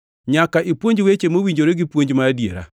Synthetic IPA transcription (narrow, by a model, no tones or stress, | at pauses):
ɲakaʔipwoɲd͡ʒwet͡ʃemowiɲd͡ʒoɾeɡɪpwoɲd͡ʒmaadjḛɾa̰